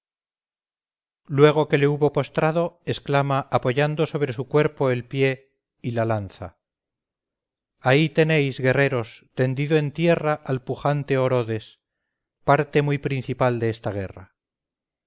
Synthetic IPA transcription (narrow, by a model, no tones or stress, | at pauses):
lwe̞ɣ̞o̞ke̞leuβo̞po̞st̪ɾaðo̞e̞sklamaʔːpo̞ʝand̪o̞so̞β̞ɾe̞sukwe̞ɾpo̞e̞lpje̞ | ilalanθa̰ | ait̪e̞ne̞jzɣe̞re̞ɾo̞st̪e̞nd̪iðoe̞nt̪je̞raʔalpuχant̪e̞o̞ɾo̞ðe̞s | paɾt̪e̞mujpɾin̟θipald̪eest̪aɣ̞e̞̰ra̰